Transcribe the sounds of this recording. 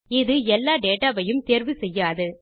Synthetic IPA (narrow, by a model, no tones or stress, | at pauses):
ɪðɯɛlːaːɖeːʈaːʋɐjɯmt̪eːɾʋɯsɛjːaːðɯ